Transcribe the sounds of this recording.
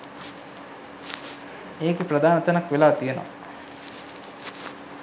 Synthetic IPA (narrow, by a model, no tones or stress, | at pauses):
eːkipɾɐd̪aːnɐt̪ɐnɐkʋelaːt̪ijeno̰